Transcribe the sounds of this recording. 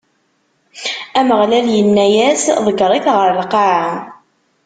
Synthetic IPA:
æməʁlæljənːæjæsðˤəɡəʁˤikʁəɾlqɑʕa

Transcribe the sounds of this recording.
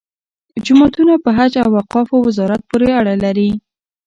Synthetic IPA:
d͡ʒʊmɑt̪unapəɦad͡ʒawːaqɑfawɪzɑɾat̪̚poɾeaɽalaɾi

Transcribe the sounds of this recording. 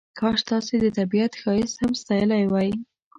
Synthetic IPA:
kʰɑʃt̪ɑsed̪ət̪abiat̪xɑjɪshamst̪ɑjəlajwɑj

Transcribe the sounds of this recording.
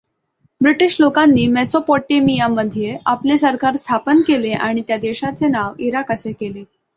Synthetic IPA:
bɾiʈiɕlokanːiːmesopɔʈːemijamːəd̪ʱijeʔaplesəɾkaɾst̪ʰapənkeleʔaɽ̃it̪jad̪eɕat͡senaʋiɾakəsekele

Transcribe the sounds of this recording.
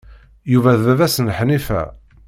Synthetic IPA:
juvæððæðæsənħnifæ̰

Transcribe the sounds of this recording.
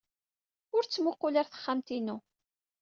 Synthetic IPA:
ʊɾt͡sːmʊqːʊlaɾθə̥χːamt̪inu

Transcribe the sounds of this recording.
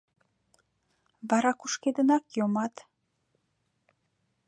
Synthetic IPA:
βɑɾɑkuʃked̪ənɑkjomɑt̪

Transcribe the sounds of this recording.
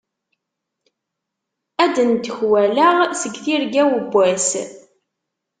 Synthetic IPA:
æd̪ənt̪ːəçwælæʁsəɡθiɾɡæwəbʷːæs

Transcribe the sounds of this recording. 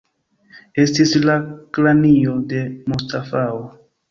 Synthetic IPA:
e̞stislaklanijo̞de̞mustafao

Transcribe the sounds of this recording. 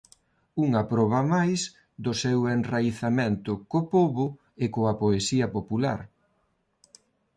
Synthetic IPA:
uŋɐpɾɔβ̞ɐmajs | d̪osewenrajθamẽnt̪ʊkopoβʊ | ekoɐpoesiɐpopula̰ɾ

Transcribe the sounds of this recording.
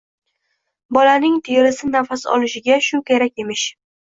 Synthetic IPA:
bɒlanɪŋt̪ʰɪjɪlɪsɪnafasɒ̰lɪʃɪɡʲaʃʊkʲʰe̞ɾak̚ʲe̞mɪʃ

